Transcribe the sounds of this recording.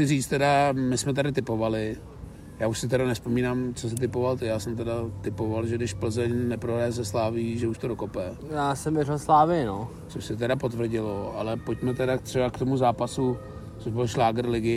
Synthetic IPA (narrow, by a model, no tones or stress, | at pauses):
ɪriːt͡st̪ɛdamɪsmɛt̪̬adɪt̪ɪpo̞valɪ | jaːuʃsɪt̪ɛɾanɛspo̞miːnaːmt͡sosɪt̪̬ɪpovalt̪ɪjaːsɛmt̪ɛdat̪ɪpo̞valʒɛɡdɪʃpl̩zɛɲnɛpɾoɦɾajɛzɛslaːviːʒɛuʃt̪oɾokopɛ | jaːsɛmvɛɾalslaːvɪɪno | t͡soʃsɛt̪ɛdapo̞t̪vr̩ɟɪloʔalɛpocmɛt̪ɛdat̪r̥ɛbakt̪o̞muzaːpasu | t͡soʒbɪlʃlaːɡɾlɪɡɪ